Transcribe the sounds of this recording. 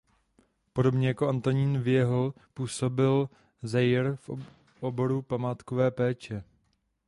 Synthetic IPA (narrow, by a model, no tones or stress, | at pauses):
po̞do̞bɲɛjakoʔant̪o̞ɲiːnvɪjɛɦl | puːso̞bɪl | zɛjɾf | ʔobo̞ɾupamaːt̪ko̞vɛːpɛːt͡ʃɛ